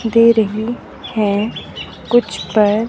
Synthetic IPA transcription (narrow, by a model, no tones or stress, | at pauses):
d̪eːɾəɦi | hɛ̃ː | kʊt͡ʃʰpəɾ